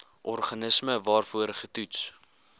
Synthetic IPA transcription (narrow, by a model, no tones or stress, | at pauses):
ʔɔrχɐnəsməvɑːrfuəɾχətuts